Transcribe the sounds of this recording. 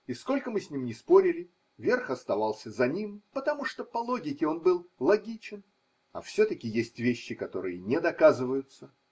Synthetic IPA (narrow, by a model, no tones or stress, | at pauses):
ɪsko̞lʲkəmɨsʲnʲimnʲɪspo̞ɾʲɪlʲɪ | vʲe̞rxɐst̪ɐvɑlˠsʲəzɐnʲimpət̪ɐmuʂt̪o̞pɐlˠo̞ɡʲɪkʲɪo̞nbɨlˠlˠɐɡʲit͡ɕɪn | ɐ̰fsʲɵt̪əkʲɪjesʲtʲvʲeɕːɪkɐt̪o̞̰ɾɨjənʲɪd̪ɐkazɨvəjʊt̪sə